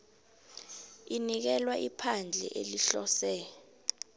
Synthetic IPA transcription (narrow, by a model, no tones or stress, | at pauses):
inik̬ɛlwaʔipʰand͡ɮʱɛ̰ʔeliɬɔsɛ